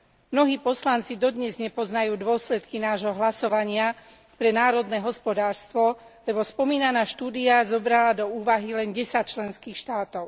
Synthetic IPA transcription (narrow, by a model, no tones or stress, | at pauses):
mnɔɦiːpɔslant͡sid̪ɔd̪ɲɛzɲɛpɔznajuːd̪ʊɔslɛt̪kinaːʒɦɔɦlasɔʋaɲɪa | pɾɛnaːɾɔd̪nɛːɦɔspɔd̪aːɾst̪ʋɔ | lɛbɔspɔmiːnanaːʃt̪uːd̪iazɔbɾalad̪ɔuːʋaɦilɛnɟɛsac̚t͡ʃlɛnskiːxʃt̪aːt̪ɔʊ